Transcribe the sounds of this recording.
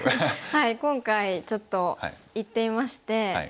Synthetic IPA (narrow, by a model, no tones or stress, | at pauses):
haikõ̞ŋkait͡ɕo̞t̪ːo̞̰it̪ːe̞imaɕi̥t̪e̞̰